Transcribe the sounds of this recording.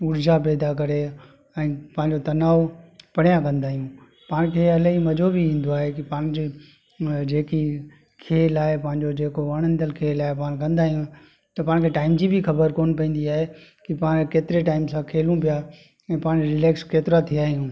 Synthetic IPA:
ʊɾd͡ʑap̬ɛːd̪akɐɾe | ɛ̃ːpɐ̃ːɪ̃ɲd͡ʑot̪ɐnaːopɐɽ̤ijãkɐ̃nd̪aːɦijũ | paːɽ̃kʰeːɐlaimɐd͡ʑobiʋĩːn̆d̪oaːɦekipaːɽ̃d͡ʑe | d͡ʑeːki | kʰeːlaːɪpɐ̃ɦɪ̃ɲd͡ʑod͡ʑeːkoʋɐɽ̃ənt̪əlkʰeːlaːɪpaːɽ̃kɐ̃nd̪aːɦijũ | t̪ɐpaːɽ̃kʰeːʈaːɪmd͡ʑibʱixɐbəɾkoːnpɐ̃ĩːnd̪iaːɦekipaːɽ̃keːt̪ɪɾeʈaːɪmsãkʰeːlũp̬ija | ɛ̃ːpaːɽ̃d͡ʑoɾɪlɛːkskeːt̪ɪɾat̪ʰijaːɦijũː

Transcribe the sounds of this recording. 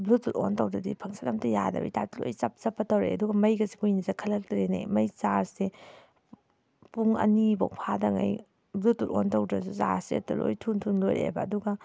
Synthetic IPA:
blututontɐwdɾɐdipʰɐŋsɐlɐmtɐjadɐ̰bḭtatlojt͡ʃɐp̚t͡ʃɐpːɐtɐwɾḛɐduɡɐmɐjɡɐsikujnizakʰɐlɐk̚tɐɾena̰jmɐjzaɾse | puŋɐ̰nibokpʰadɐŋa̰j | blutuɾontɐwdɾɐsuza̰ɾseɐtɐlo̰jtʰuntʰunlojɾḛbɐːduɡɐ

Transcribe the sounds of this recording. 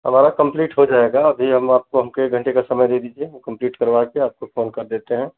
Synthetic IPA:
ɦəmaːɾakə̃mpliːʈɦod͡ʒaeɡaɐbʱiɦɐmaːp̚koɦɐmkeeɡʱə̃ɳʈekasəməjd̪ed̪id͡ʒiekə̃mpliːʈkəɾʋakeaːp̚kopʰoːnkɐɾd̪eːt̪eɦɛ̃ː

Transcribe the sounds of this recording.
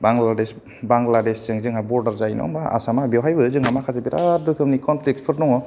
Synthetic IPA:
baŋlades | baŋɡladesz̥ɯŋzɯŋhabɔɾdaɾzajnɔ̰aa̰samabiwɦajbɯzɯŋhamakʰazabiɾa̰tdɯkʰɯmnikʰɔnpʰlik̚spʰɯɾnɔŋɔ

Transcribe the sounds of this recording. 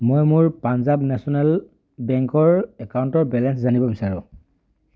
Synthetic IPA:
mojmʊɹpanzabnɛsɔnɛl | bɛŋkɔɹɛkawntɔɹbɛlɛnszanibɔbisaɹʊ̃

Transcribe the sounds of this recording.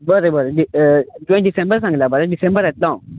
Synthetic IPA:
bəɾəbəɾəɖiʈ̪uĩɖisẽmbəɾs̬ãŋɡlabəɾaɖisẽmbəɾɛt̪lã

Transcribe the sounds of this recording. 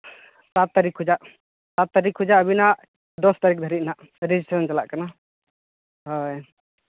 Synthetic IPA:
sat̪̚ːaɾikɦud͡ʒaʔ | sat̪ːaɾikʰɦud͡ʒaʔəbinaʔ | d̪ɔst̪aɾik̚d̪ʱəɾit̪̚ˀnaʔ | ɾɛd͡ʒisʈɾɔnt͡ʃalaʔkana | ɦɔj

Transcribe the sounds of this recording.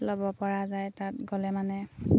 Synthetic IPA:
lɔbɔpɔɹazajtatɡɔlɛmanɛ

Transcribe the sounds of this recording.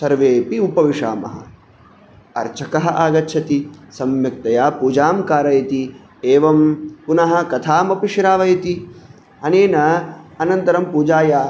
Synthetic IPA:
sɐɾʋeːpiupɐʋiʂa̰ːmɐ̰ɦɐ̰ | ɐ̰ɾt͡ʃʰɐkɐɦɐ̆ʔaːɡɐtːʃʰɐt̪isɐmjɐk̚t̪ɐjaːpuːd͡ʒaːmkaːɾɐjɐt̪i | eːʋɐmpunɐɦɐ̆kɐt̪ʰaːmɐpiʂiɾaːʋɐjt̪i | ɐneːnɐɐnɐnt̪ɐɾɐmpuːd͡ʒaːjaː

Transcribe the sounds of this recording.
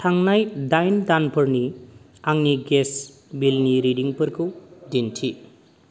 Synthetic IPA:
tʰaŋnajdajndanpʰɐɾni | aŋniɡes | bilniɾidiŋpɯɾkʰɯdintʰi

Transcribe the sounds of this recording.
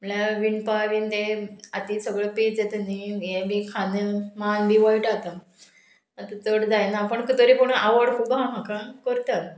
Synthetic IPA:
m̤əɭaʋiɳpaʋiːnt̪eat̪iːsəɡɭəpit͡set̪ənːijẽbikʰanemanbʱiːʋəjʈat̪a | at̪ət͡soɽd̪ajnapəɳkət̪əɾiːpoɽɳaʋəɽkʰuːbãm̤akãkəɾt̪a

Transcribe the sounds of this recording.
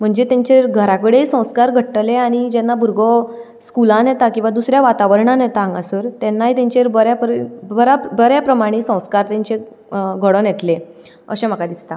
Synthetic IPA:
m̤əɳd͡ʑet̪ãɲt͡ɕeɾɡʱəɾakəɽeisə̃w̃skaɾɡʱəʈʈleaɽ̃id͡ʑɛnːabʱuɾɡʱɔ | skulãnjɛt̪akĩw̃ʋad̪usɾjaʋat̪aʋəɾɳãnjɛt̪ãːŋɡasəɾt̪ɛnːaɦit̪ɛ̃ɲt͡ɕeɾbəɾjapɾbəɾabəɾjapɾəmaɽ̃esə̃w̃skaɾt̪ãɲt͡ɕe | ɡʱəɽɔnjɛt̪le | ə̰ɕem̤akad̪ist̪a

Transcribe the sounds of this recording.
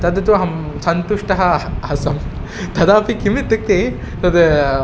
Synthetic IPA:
t̪ɐd̪ɐt̪uɦɐmsɐnt̪uʂʈɐɦɐɦɐsɐm | t̪ʰɐd̪aːpikimit̪ːɨk̚t̪e | t̪ɐd̪

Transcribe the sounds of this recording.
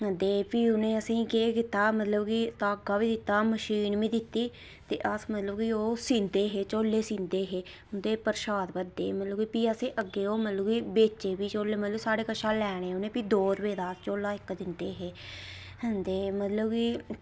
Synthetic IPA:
ɦənd̪eːpiːʊnẽːəsĩːkeːkɪt̪aːmət̪ləbɡiːt̪aːɡaːʋiːd̪ɪt̪ːaːməʃiːnʋĩːd̪ɪt̪ːiː | t̪ḛːʔəsmət̪ləbɡiːoːsĩːnd̪eːɦeːt͡ʃoːleːsĩːnd̪eːɦeː | ʊnd̪eːpəɾɪʃaːd̪pəɾd̪ḛːmət̪ləbɡiːpiːəsẽːʔəɡːeːoːmət̪ləbɡiːbeːt͡ʃeːbiːt͡ʃoːleːmət̪ləbsaːɽeːkəʃaːlɛːɽ̃eːʊnẽːpiːd̪oːɾəʋeːd̪aːst͡ʃoːlaːɪkd̪ɪnd̪eːɦeː | ɦənd̪eːmət̪ləbɡiː

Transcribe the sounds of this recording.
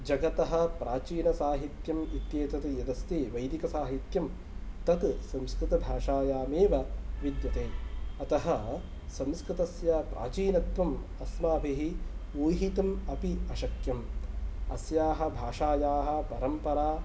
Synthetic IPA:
d͡ʒɐɡɐt̪ɐɦɐ̆pɾaːt͡ʃiːnɐsaːɦit̪jɐmit̪jeːt̪ɐt̪jɐd̪ɐst̪eːʋɐjd̪ikɐsaːɦit̪jɐm | t̪ɐt̪sɐmskɾɪt̪ɐbʱaːʂaːjaːmeːʋɐʋid̪jɐt̪eːɐt̪ɐɦɐ | sɐ̃mskɾɪt̪ɐsjapɾʔa̰ːt͡ʃiːnɐt̪ʋɐm | ɐsmaːbʱiɦiuːjɦit̪ɐmɐpiɐʃɐkjɐmɐ̰sjaːɦɐ̆bʱaːʂaːjaːɦɐ̆pɐɾɐmpɐɾaː

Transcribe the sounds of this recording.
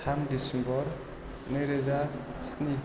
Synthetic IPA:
amdisimbɔɾ | neɾezasni

